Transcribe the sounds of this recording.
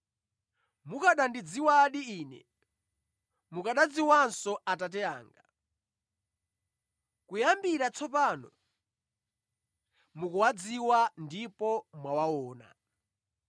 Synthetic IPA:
mukaɗandid͡ziwaɗiiːnɛ̰ | mukaɗad͡ziwansɔatat̬ɛa̰ːŋɡa | kujambiɾat͡sʰɔpaːnɔ | mukuwad͡ziwandipɔmwawawɔːna̰

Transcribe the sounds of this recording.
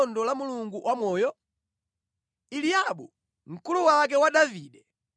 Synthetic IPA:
ndɔlamuluŋɡuwʔamɔjɔ | ilijaɓu | ŋ̩kuluwak̬ɛwaɗaviːɗɛ

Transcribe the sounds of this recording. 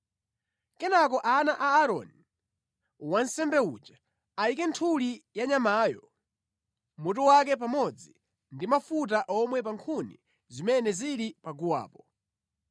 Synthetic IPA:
kɛnak̬ɔʔanaʔaːɾɔ̰ni | wansɛmbɛṵːd͡ʒa | aikɛntʰulijaɲamaːjɔ | mut̬ɔwak̬ɛp̬amɔd͡zi | ndimafut̬aʔɔmwɛp̬aŋkʰunḭ | zimɛnɛziɾipaɡuwa̰ːpɔ

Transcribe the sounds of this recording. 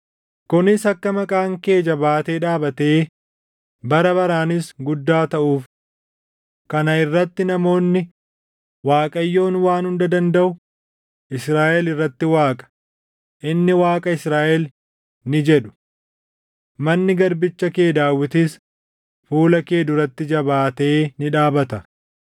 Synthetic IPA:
kʊnɪsɐkːɐmɐkʼaːŋke̞ːd͡ʒɐbaːt̪e̞ːᶑaːbɐt̪eː | bɐɾɐbɐɾaːnɪsɡʊd̪ːaːt̪ɐʔuːf | kɐnɐɪrːɐt̪ːɪnɐmo̞ːnːɪ | waːkʼɐjːo̞ːnwaːnhʊnd̪ɐd̪ɐnd̪ɐʔʊ | ʔɪsɾaːʔɛlɪrːɐt̪ːɪwaːkʼɐ̥ | ʔɪnːɪwaːkʼɐɪsɾaːʔɛl | nɪd͡ʒɛᶑʊ̥ | mɐnːɪɡɐɾbɪt͡ʃːɐke̞ːd̪aːwːɪt̪is | fuːlɐke̞ːd̪ʊɾɐt̪ːɪd͡ʒɐbaːt̪e̞ːnɪᶑaːbɐt̪ɐ

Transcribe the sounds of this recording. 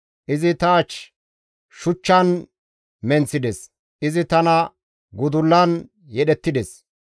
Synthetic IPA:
ʔɪzɪt̪aːt͡ʃ | ʃʊt͡ʃːɐn | mɛnt͡sːɪd̪ɛs | ʔɪzɪt̪ɐnɐ | ɡʊd̪ʊlːɐn | jɛɗɛt̪ːɪd̪ɛs

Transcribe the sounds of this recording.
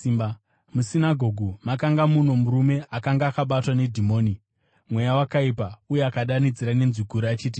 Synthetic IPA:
imba | musinaɡʱo̞ɡʱumakaŋɡamuno̞muɾume̞ʔakaŋɡaːkaɓatwane̞dʱimo̞ːni | mwe̞jawakaipaujeakaɗanid͡ziɾane̞nziɡʱuɾaat͡ʃiːt̬i

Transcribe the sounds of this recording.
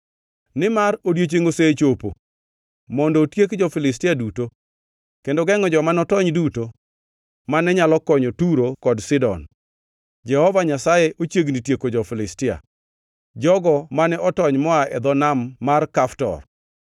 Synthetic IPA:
nɪmaɾodjet͡ʃeŋoset͡ʃopo̰ | mɔndɔːtjekd͡ʒɔfɪlɪs̬tɪaduto | kendoɡɛŋɔd͡ʒɔmanɔtɔɲduto | manɛɲalɔkɔɲotuɾokɔdsɪdɔ̰n | d͡ʒɛhɔvaɲasajɛʔot͡ʃjeɡnitjekod͡ʒɔfɪlɪstɪa̰ | d͡ʒɔɡɔmanɛʔɔtɔɲmɔaɛd̪ɔnamːarkaftɔ̰r

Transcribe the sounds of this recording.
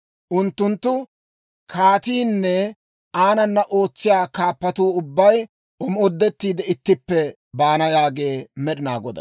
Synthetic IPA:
ʔʊnt̪ːʊnt̪ːʊ | kʰaːt̪iːnːɛ | aːnɐnːɐʔo̞ːt͡sːɪjaːkaːpːɐt̪uːʊbːɐj | ʊmɔd̪ːɛt̪ːiːd̪ɛɪt̪ːɪpːɛ | baːnɐjaːɡe̞ːmɛɗɪnaːɡɔd̪ɐ̰

